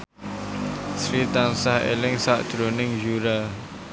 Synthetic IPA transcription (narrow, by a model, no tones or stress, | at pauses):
sɹidãnsahɛ̰lɪ̃ŋsaʔd̪̥ɾonɪ̃ŋjuɹa